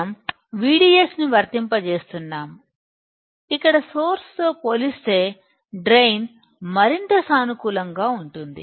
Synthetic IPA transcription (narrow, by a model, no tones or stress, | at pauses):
m | ʋiːɖiːjesniʋɐɾt̪impɐt͡ʃe̞ːst̪unːaːm | ikːɐɽɐso̞ːɾst̪o̞ːpoːlist̪e̞ː | ɖɾejn | mɐɾint̪ɐsaːnukuːlɐŋɡaːuɳʈund̪ḭ